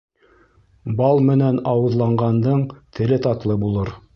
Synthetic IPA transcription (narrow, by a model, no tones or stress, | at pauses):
bɑlˠmɘ̆nænɑwɤ̆ðlˠɑɴʁɑnd̪ɤɴt̪ʰɘ̆lɘt̪ɑt̪lˠɤbulˠɤɾ